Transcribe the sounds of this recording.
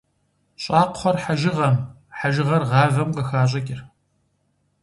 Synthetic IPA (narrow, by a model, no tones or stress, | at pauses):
ɕʼɑːqχʷɔrħaʒɪʁɐm | ħaʒɪʁɐrʁɑːvɐmqʼɐxaːɕ̬ʼɐkʲʼɪr